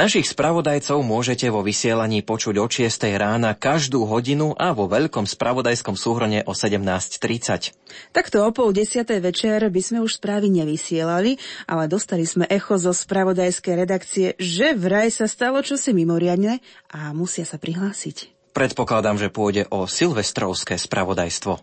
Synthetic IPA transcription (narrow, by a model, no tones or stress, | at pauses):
naʃixspɾaʋɔd̪ajt͡sɔʊmʊɔʒɛcɛʋɔʋisɪɛlaɲiːpɔt͡ʃuɟɔt͡ʃɪɛst̪ɛjɾaːnakaʒd̪uːɦɔɟinuʔaʋɔʋɛʎkɔmspɾaʋɔd̪ajskɔmsuːɦɾɔɲɛʔɔsɛɟɛmnaːsct̪ɾit͡sa̰c | t̪akt̪ɔɔpɔlɟɛsɪat̪ɛjʋɛt͡ʃɛɾbizmɛuʃspɾaːʋiɲɛʋisɪɛlaliʔalɛd̪ɔst̪aliz̥mɛʔɛxɔzɔspɾaʋɔd̪ajskɛjɾɛd̪akt͡siɛʒɛʋɾajsast̪alɔt͡ʃɔsimimɔɾɪad̪ɲɛʔamusɪasapɾiɦlaːsic | pɾɛt̪pɔklad̪amʒɛpʊɔjɟɛʔɔsilʋɛst̪ɾɔʊskɛːspɾaʋɔd̪a̰jst̪ʋɔ